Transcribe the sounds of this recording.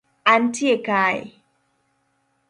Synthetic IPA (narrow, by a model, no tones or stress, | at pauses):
ʔantʰiekaːj